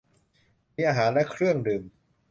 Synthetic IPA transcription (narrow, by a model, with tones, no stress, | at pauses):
mi˧˥ʔa˧ɦaː˩˦nlɛ˦˥kʰɾɯ˥˩əŋdɯː˨˩m